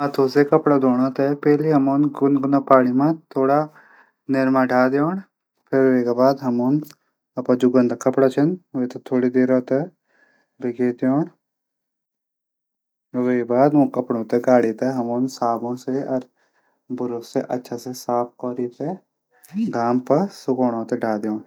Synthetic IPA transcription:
ɐt̪ʰoːsekɐpɽad̪oːɽat̪ɛpɛːliɦɐmoːnɡʊnɡʊnaːpaːɽimãt̪ʰoːɽaː | nɪɾmãːɖʰaːd̪joːn | pʰɪɾʋeːkabaːd̪ɦɐmoːn | ɐpãːd͡ʒuɡə̃nd̪akɐpɽat͡ʃʰɐnʋeːt̪ot̪ʰoːɽiːd̪eːɾaːt̪e | bɪkeːt̪joːɳ | ʋeːbaːd̪mũːkɐpɽõːt̪eɡaːɽit̪eɦɐmoːnsaːbõseɔɾ | bʊɾokseʔɐ̰tːʃʰasesaːp̚ʰkɔːɾit̪e | ɡaːmpɐsʊkoːɽ̃õːt̪eɖʱaːd̪joːɳ

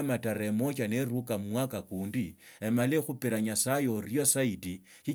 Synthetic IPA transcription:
mataɾemo̞t͡ʃaneɾukammwakakuːndiemalexupeɾaɲasajo̞rjosaiti | xi

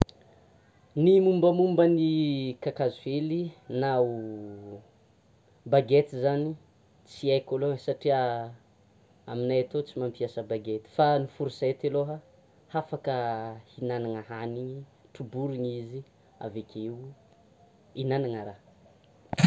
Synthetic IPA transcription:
nimumbəmumbənikakazuvelinau | baɡet̪izani | t͡siajkolosaʈ͡ʂia | aminajat̪ot͡simampiasəbaɡet̪i̥fanifuɾiset̪eloɦə | hafakəhinanaŋəɦaniʈ͡ʂubuɾiɲizi | a̰vekʲeiw | inanaŋəɾa

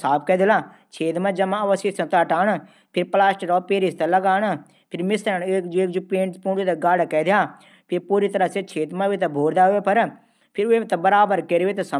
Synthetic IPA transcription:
saːb̚kɛd̪ɪlaː | t͡ʃʰeːt̪mãd͡ʒɐmãɐʋəsisɐ̃t̪aːʈaːɳ̃ | pʰɪɾplaːsʈəɾɔːpeːɾist̪ɐlɐɡaːɳ | pʰɪɾmɪsɾəneːkd͡ʒeːkd͡ʒupẽːɳʈspũːɳd͡ʒit̪eɡaːɽakɛːd̪jaː | pʰɪɾpuːɾit̪ɐɾəɦset͡ʃʰeːt̪mãbit̪ɐbʱoːɾd̪aːɦʊʋepɐɾ | pʰɪɾʊem̃t̪ɐbɐɾaːbəɾkeɾiʋet̪ɐsɐ

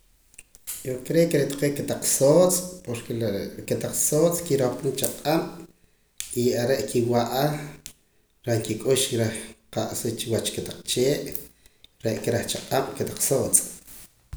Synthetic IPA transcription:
jokɾekɾet̪ḁqeːʔket̪aq͡χsoːt͡sʼpoɾkeket̪aq͡χsoːt͡skiɾopunt͡ʃaqʼam | iaɾeʔkʰiwaʔa | ɾaŋkikʼuʃɾeχqaʔsit͡ʃiwat͡ʃket̪aq͡χt͡ʃeːʔ | ɾeʔkeɾaχt͡ʃaqʼam̥ket̪ḁq͡χsoːt͡sʼ

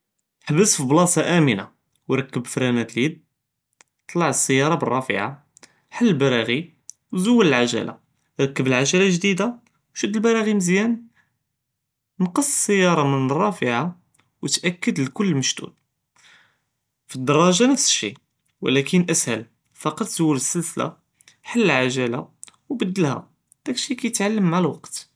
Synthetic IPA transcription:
ħbəsfiblɑsˤɑʔæməna̰ | wɾˤɑkːəbfɾænæt̪ljəd̪̚ | t̪ˤlɑʕəsːəjːɑɾˤɑbərˤːɑfə̰ʕa | ħalːəlbɑɾˤɑɣi | wzuwːələlʕaʒæ̰lʔa̰ | ɾˤɑkːəbəlʕaʒælaʒd̪id̪a | wʃəd̪ːəlbɑɾˤɑɣiməzjæn | nqəsˤːsəjːɑɾˤɑmənərˤːɑfəʕa | wət̪ʔækːəd̪ləkʊlːməʃt̪ṵd̪̚ | fid̪ːɑɾˤːɑʒanəfsəʃḭ | wəlækʰənʔəshəl | fɑqɑt̪ˤz̥uwːələsːəlsəla̰ | ħəlːəlʕaʒælawbəd̪ːəlha̰ | d̪̥ækʃikæjət̪ʕalːəmaʕalwɑqt̪

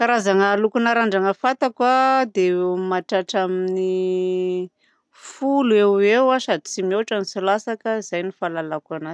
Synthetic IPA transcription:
kaɾazaŋəːlukunaɾaɳɖ͡ʐaŋəfat̪akwad̪emaʈ͡ʂaʈ͡ʂamini | fulewewasad̪it͡simewaʈ͡ʂanisilasakəiz̥ajnifalalakanazi̥

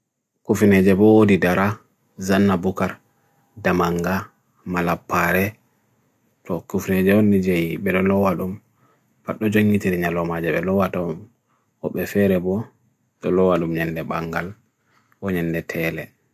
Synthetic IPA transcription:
kufinɛd͡ʒɛbɔwodidaɾa | zanːabukaɾ | damaŋɡa | malapːaɾɛ | tɔkufined͡ʒɛɔnːid͡ʒejbɛɗɔlɔwaɗum | faɗːɔd͡ʒoŋːitiɾiɲalɔmad͡ʒɛɓɛlɔwatɔm | wɔɓːɛfɛɾɛbɔ | ɗɔlɔwaɗumɲɛndɛbaŋɡal | ʔɔɲɛndɛtʰɛlɛ

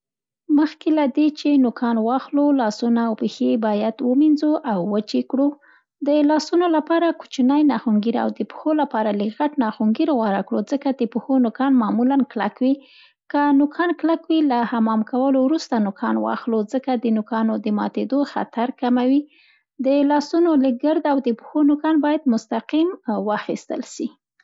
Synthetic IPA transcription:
məxkelad̪et͡ʃenʊkʰɑnwɑxlolɑsunawpexebɑjad̪wəminzoʔawːət͡ʃekɽu | d̪əlɑsunolapɑɾaku̥t͡ʃnajnɑxuŋɡiɾa̰wd̪əpə̥xolapɑɾaliɣaʈnɑxuŋɡiɾɣwaɾakɽod͡zəkad̪əpəxonʊkɑnmɑmulanklakwi | kənʊkʰɑnklakwilahamɑmkawəlowɾust̪anʊkʰɑnwɑ̰xlozəkad̪ənʊkɑnod̪əmɑ̰t̪ed̪oxa̰t̪aɾkamawi | d̪əlɑsunolɪk̚ɡəɾd̪awd̪əpə̥xonʊkɑnbɑjad̪mʊst̪aqimwəxist̪ə̰lʃi

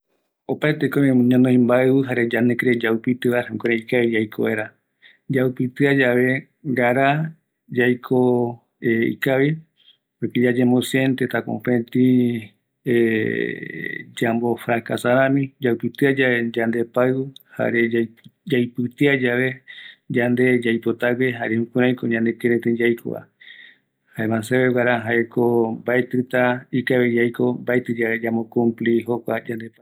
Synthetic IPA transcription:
opaet̪ekomẽmũɲãnoĩmbaɨβɨɦaɾed͡ʒand̪ekɾed͡ʒaupit̪ɨβahũkeɾeikaβid͡ʒajkʰoβaeɾa | d͡ʒaupit̪ɨad͡ʒaβe̞ | ɡaɾa | d͡ʒajkʰo | eḭkaβi | pokid͡ʒad͡ʒẽmbosient̪et̪akõ̰pẽt̪ĩ | e | d͡ʒambofɾakasaɾãmĩd͡ʒapɨt̪ɨad͡ʒaed͡ʒand̪e̞paɨɨha̰ɾead͡ʒajpɨt̪ɨad͡ʒaβed͡ʒand̪e̞d͡ʒajpot̪aɡeɦaɾehũkʷuɾãj̃koɲãnd̪ekẽɾẽt̪ẽd͡ʒajko̰βa̰ | haemãseβewaɾaɦaekombaet̪ɨt̪aikaβed͡ʒajkombaet̪ɨd͡ʒaβed͡ʒamokũmpliɦokʷad͡ʒand̪epa

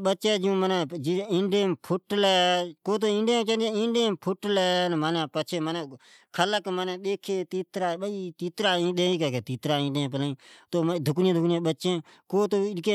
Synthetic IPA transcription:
ɓət͡ʃeːd͡ʒũːmənɛd͡ʒiɪ̃ːɳɖeːmpʰʊʈlɛːkoːt̪oːɪ̃ɳɖẽːt͡ʃə̃nd̪̃ɪ̃ɳɖeːmpʰʊʈlɛːnmənẽːpət͡ʃʰeːməneː | kʰələkmənɛːɗ̪eːkʰːeːt̪iːt̪ɾaːɓəiːt̪iːt̪ɾaːĩːɗ̪eːiːkɛːkeːt̪iːt̪ɾaːɪ̃ːɖẽːpəlaːĩːt̪oːd̪ʱʊknɪẽːd̪ʱʊknjẽːɓəːʃẽː | koːt̪oːɪke

